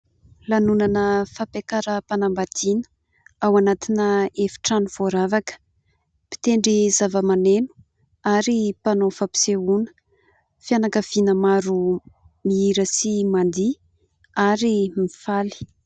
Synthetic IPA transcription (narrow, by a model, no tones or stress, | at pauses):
lanunanəfapekaɾəpanambat̪inə̥ | awanat̪inəefi̥ʈ͡ʂanuv̥oɾavakə̥ | pi̥t̪eɳɖ͡ʐizavəmanenu̥ | aɾipanofapi̥seunə̥ | fianakəv̥inəmaɾu | miiɾəsimand̪i | aɾimifali̥